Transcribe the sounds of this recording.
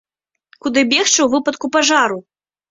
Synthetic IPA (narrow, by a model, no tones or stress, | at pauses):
kud̪ɨbʲɛxt͡ʂɨwvɨpɐt̪kupaʐaɾu